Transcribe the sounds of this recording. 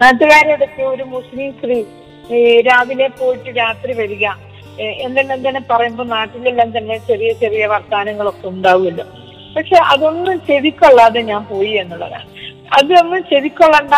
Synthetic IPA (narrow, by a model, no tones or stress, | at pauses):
naːt̪ːɐɣaːɾeɐðepːoːoɾumuslimst̪ri | ɾaːʋine̞po̞ːjiʈːɨɾaːt̪riʋɐɾiɣʲaːm | e̞nd̪elːent̪ɐnːepɐrɐjumbo̞ːnaːʈːilelːaːnt̪ɐnːe̞t͡ɕɐrijɐt͡ɕɐrijɐʋɐrt̪aːnɐŋːɐɭo̞kːe̞uɳɖaːʋumilːo̰ | pɐkʂe̞ʔɐðo̞nːumt͡ɕeʋikʲːoɭːaːðɨɲaːnpo̞ːjie̞nːuɭːɐ̰ða̰ | ɐðɨonːumt͡ɕeðikʲːoɭːɐɳɖa